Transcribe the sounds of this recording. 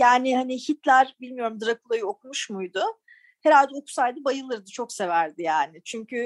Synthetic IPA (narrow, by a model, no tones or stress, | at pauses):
jaːnɪhanɪçit̪lʲæɾbilʲmijo̞ɾumd̪ɯɾakulˠajɯokʰumuʃmujd̪ʊ | he̞ɾalʲd̪ɛo̞ku̥sajd̪ɯbajɯlˠɯɾd̪ɯt͡ʃʰo̞kse̞væɾd̪ɪjaːnɪt͡ʃʰyɲcʰy